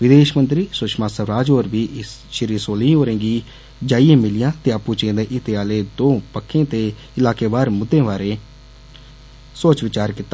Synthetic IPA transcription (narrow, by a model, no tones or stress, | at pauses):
ʋɪd̪eːʃmənt̪ɾiːsʊʃmaːsəʋɾaːd͡ʒoːɾbiːʔʃɪɾiːsoːlĩːoːɾẽːɡiː | d͡ʒaːijẽːmɪlɪjãːt̪eːapuːt͡ʃẽːd̪ẽːʔɪt̪eaːleːd̪õːpəkʰːẽːt̪eː | ɪlaːkeːʋaːɾmʊd̪ʱːẽːʋaːɾeː | soːt͡ʃʋɪt͡ʃaːɾkɪt̪ːaː